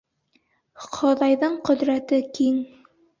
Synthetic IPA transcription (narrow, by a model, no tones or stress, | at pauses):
χʰŏðɑjðɤɴqɵ̆ðɾæt̪ɘkiŋ